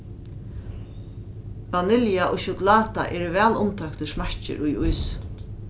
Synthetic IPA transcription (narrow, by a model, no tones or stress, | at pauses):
vanɪljaʔɔʃʊklaːt̪a̰ʔɛɹʋɛːlʊmt̪ʰœkt̪əʂmaɹ̥t͡ʃɪ̰ɾujujs